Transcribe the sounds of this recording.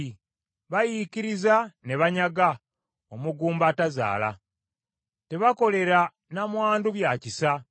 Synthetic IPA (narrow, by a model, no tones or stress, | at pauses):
βajiciɾizane̞βaɲaɡa | omuɡuːmbataza̰ːla̰ | te̞βako̞le̞ɾa | namwaːnduβjacisa